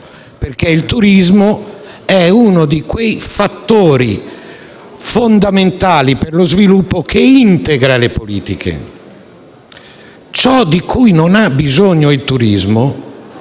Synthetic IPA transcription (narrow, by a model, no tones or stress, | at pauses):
peɾk̟eilt̪uɾizmo | ɛunod̪ikwejfat̪ːoːɾi | fond̪ament̪aːliperlozvilupːokeint̪ɛɡɾalepoliːt̪ikʰḛ | t͡ʃɔd̪ikʰujnonabizoɲːoilt̪uɾizmo